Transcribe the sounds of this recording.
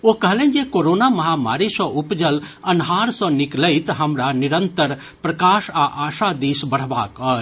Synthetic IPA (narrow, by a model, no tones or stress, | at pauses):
okɐɦlẽːnd͡ʒekoːɾoːnamɐɦama̰ːɾisɔ̃ʔupd͡ʒəl | ɐnɦaːɾsɔ̃nɪkləɪt̪ɦɐmɾanɪɾə̃nt̪əɾ | pɾɐkaːʃaʔaːʃad̪iːsbɐɽ̤ba̰ːkəː